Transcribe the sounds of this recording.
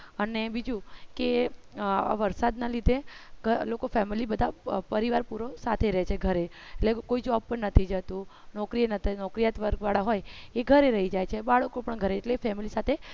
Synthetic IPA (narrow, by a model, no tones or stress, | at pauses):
ənebid͡ʒũke | aa̰ʋəɾsad̪nalid̪ʱeɡəlokofɛmilibəd̪ʱapəɾiʋaɾpuɾosat̪ʰeɾəɦet͡ʃʰeɡʱəɾe | eʈlekoid͡ʒoɔbpəɳnət̪ʰid͡ʒət̪ũ | nɔkɾinət̪ʰanɔkɾijat̪ʋəɾɡʋaɭaɦojeɡʱəɾeɾəɦid͡ʒajt͡ʃʰebaɭəkopəɳɡʱəɾeːʈlefɛmilisat̪ʰe